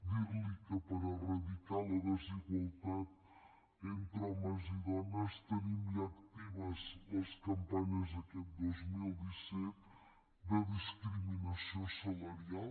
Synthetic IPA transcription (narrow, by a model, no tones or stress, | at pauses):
d̪iβlikəpəɾərɐðikalˠɐðəziɣwɐlˠt̪at̪ | ent̪ɾɔmɐziðɔnəst̪ənimiakt̪iβɐzɐskɐmpaɲɐzðɐkɛt̪̚d̪ozmilˠd̪isɛt̪ | d̪əðiskɾiminɐsiosəlɐɾia